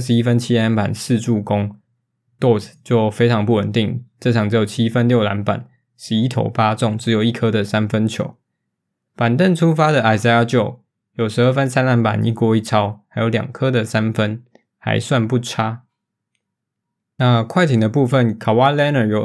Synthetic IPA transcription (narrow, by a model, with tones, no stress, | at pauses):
ʂ̬ɻ̩˧˦i˥fə˦nt͡ɕʰi˥a˧˥npa̰˨˩ns̩˥˧ʈ͡ʂu˥˩kʊ˦ŋ | t̪ɔ˥˩st͡ɕjo˥˩ʊfe˥ɪʈ͡ʂʰɑ˧˥ŋpu˥˩wə˨˩nt̪i˥˨˩ŋʈ͡ʂɤ˥˩ʈ͡ʂʰɑ˨˩ŋʈ͡ʂɻ̩˧˥jo˨˩t͡ɕʰi˦˥fə˦nljo˥˩ʊla˧˦npa̰˨˩˦n | ʂɻ̩˧i˥t̪ʰo̰˨˩ʊpa˦t͡sʊ˥˨ŋʈ͡ʂɻ̩˧˥jo˨˩ʊi˥˩kʰə˦d̪ə˨sa˦˥nfə˦nt͡ɕʰjo̰˨˩˦ʊ | pa˨˩nt̪ə˥˨nʈ͡ʂʰu˥fa˥d̪ə˨ʔa˨˩ɪsa˧a˥t͡ɕjo˨˩ʊ | jo˨˩ʊʂɻ̩˧˦ə˥˩fə˦nsa˥nla˧˦npa̰˨˩nʔḭ˥˩kwɔ˥i˥˩t͡sʰɑ˥ʊa˧˥ɪjo˨˧˥ʊljɑ̰˨˩ŋkʰɤ˦˥d̪ə˨sa˦˥nfə˦n | ha̰˧˥ɪswa˥˧npu˥˩ʈ͡ʂʰa˥ | na˥˧kʰwa˥˩ɪt̪ʰi˨˩d̪ə˩˦p̬u˥˧fə˥˨˩nkʰa˨˩wa˦˥lɛ˥˦nə˨˩jo˨˩